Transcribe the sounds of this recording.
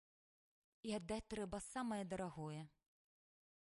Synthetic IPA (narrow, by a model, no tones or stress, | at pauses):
iɐd̪ːat͡sʲt̪ɾɛbɐsamɐjɛd̪ɐɾaɣɔjɛ